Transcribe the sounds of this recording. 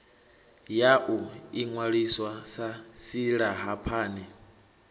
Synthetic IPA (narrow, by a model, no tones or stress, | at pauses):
jaʔuiŋwaɺiswasasiɺaɦapʰaːnɛ